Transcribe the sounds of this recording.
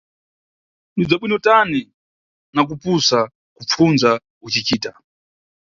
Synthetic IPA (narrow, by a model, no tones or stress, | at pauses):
nid͡zaɓwinɔtani | nak̬upusa | kup͡funza | ut͡ʃit͡ʃiːta